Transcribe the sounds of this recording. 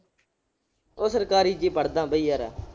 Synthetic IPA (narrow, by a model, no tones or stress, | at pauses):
oːsəɾkaːɾiːd͡ʒiːpəɽd̪ãːbəiːaːɾa̰ː